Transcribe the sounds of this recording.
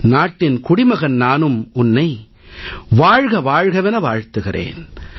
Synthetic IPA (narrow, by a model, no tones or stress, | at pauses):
naːʈːɪnkʊɽɪmɐɣɐnnaːnɯmʊnːɐɪ | ʋaːɻɣɐʋaːɻɣɐʋɛnɐʋaːɻt̪ɯɣɪrʔḛːn